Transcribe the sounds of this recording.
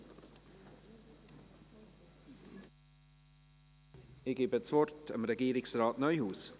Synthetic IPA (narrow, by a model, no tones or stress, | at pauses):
ɪɡeːbəət͡svɔrtə̰mɾɛɡiːɾɪksɾɑːtnœʏhuːs